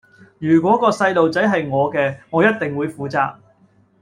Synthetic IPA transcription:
jyː˨˩k̬ʷɔː˨˥kɔː˧sɐ˧jlo˨wt͡sɐ˨˥jɦɐ˨jŋɔː˨˧kɛː˧ŋɔː˨˧jɐ˥t̚t̪ɪ˨ŋwuː˨˧jfuː˨˥t͡sa̰ː˧k̚

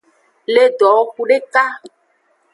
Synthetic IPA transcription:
le˦ɖ̪ɔ˨˦ku˨ɖe˦ka˦

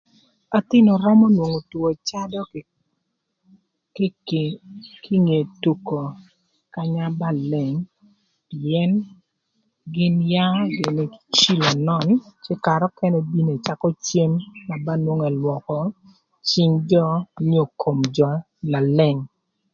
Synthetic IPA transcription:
a˨t̪ɪ˦nɔ˨ɾɔ˦mɔ˦nwo˨ŋo˨two˨t͡ʃa˦dɔ˦˨ | k | kʰi˦ŋe˨tu˨ko˨ | ka˨ɲa˦ba˦˨lɛ˨ŋ | piɛ˦n | ɡɪ˦nja˦ɡɪ˨ni˦t͡ʃi˦lo˨nɔ˦˨nt͡ʃɪ˦ka˨ɾɔ˦kɛ˦nɛ˦bi˦ne˨t͡ʃa˦kɔ˦t͡ʃe˦mːa˨ba˦nwo˦ŋɛ˨lwɔ˨kɔ˨ | t͡ʃi˦ŋd͡ʒɔ˦ɲo˦˨kʰo˨md͡ʒɔ˦ | na˨lɛ˨ŋ

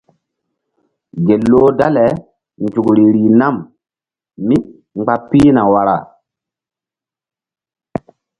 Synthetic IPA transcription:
ɡe˨lːoː˦da˦le˨ | nd͡ʒu˨kɾi˨ɾi˨na˦˨m | mi˦ | ŋ͡mɡ͡ba˦piː˦na˨wa˦ɾa̰˦˨

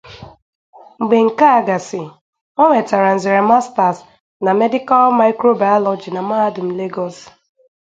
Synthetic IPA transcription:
ŋ͡m̩˨ɡ͡be˨ŋ̩˨ka˦a˨ɡa˨sɪ˨ | ɔ˦ŋʷe˨ta˨ɾa˨n̩˨zi˨ɾe˨ma˦sta˨s | na˨me˦dɪ˦ka˦lma˦ɪ˦kɾo˦ba˨jɔ˦lɔ˨d͡ʒi˨na˨ma˦dʊ˨m̩˦le˦ɡɔ˦s

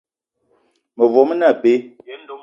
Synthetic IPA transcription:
mə˨vwɔ˨˦mə˦na˦˨pe˨˦˨

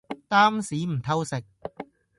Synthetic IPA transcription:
t̪aː˥msiː˨˥m̩˨˩t̪ʰɐ˧wsɪ˨˩k̚

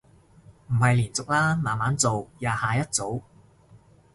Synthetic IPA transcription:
m̩˨˩hɐ˨jliː˨˩nt͡sʊ˨k̚laː˥maː˨˩nmaː˨˥nt͡so˨wjaː˨haː˨jɐ˥t̚t͡so˨˥w

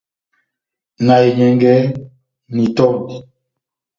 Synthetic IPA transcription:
na˨e˨ɲɛ˨ŋɡɛ˦ | ni˨tɔ˦mi˨

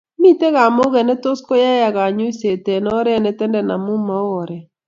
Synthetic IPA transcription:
mi˦te˦ɣa˨mo˦ɣɛ˨nɛ˦to˦sko˦ja˦ja˨ɣa˨ɲʊ˦i˦se˨tɛ˨nɔ˦ɾɛ˦nɛ˦tɛ˦ndɛ˨na˨mʊ˦ma˦o˨ɾɛ˨

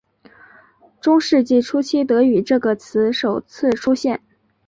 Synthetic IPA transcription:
ʈ͡ʂʊ˥ŋʂɻ̩˥˧t͡ɕi˥˩ʈ͡ʂʰu˥t͡ɕʰi˥t̪ɤ˧˥y˨˩ʈ͡ʂɤ˥˩ɡə˩t͡sʰɹ̩˧˥ʂo˨˩ʊt͡sʰɹ̩˥˩ʈ͡ʂʰu˥ɕjɛ˥˩n

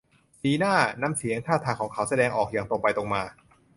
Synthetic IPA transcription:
siː˧˩naː˥˩na˧˥msi˨˩˦əŋk̪ʰaː˥˩wt̪ʰaː˧ŋkʰɔː˩˦ŋkʰa˩˦˥wsa˧dɛː˧ŋʔɔː˨˩k̚jaː˨˩ŋt̪o˧ŋpa˧jt̪o˧ŋmaː˧

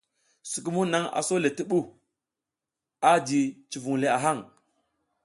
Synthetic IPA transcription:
si˨k̬u˦mu˦na˦ŋa̰˨so˦le˨ti˦ɓu˦˨ | a˦di˨t͡ʃi˨vu˨ŋle˨a˨ɦa˦˨ŋ

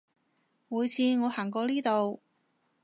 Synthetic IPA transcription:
muː˨˧jt͡sʰiː˨˧ŋɔː˨˧haː˨˩ŋkɔː˧liː˥t̪o˨w

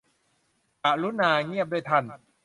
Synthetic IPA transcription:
ka˨˩ʔluː˦˥naː˧ŋi˥˩əp̚duː˥˩˨jt̪ʰa˥˩n

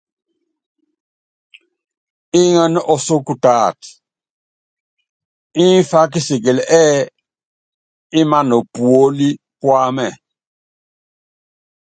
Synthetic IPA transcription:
ɪ˦ŋə˦n˦ɔ˦˨so˦ku˨ta˨t | ɪ˦n˦fa˦k̬ɪ˦sɪ˨ɡɪ˨lɛ˦ | ɪ˦ma˦nɔ˨pwo˦li˦ | pwa˦mɛ˨

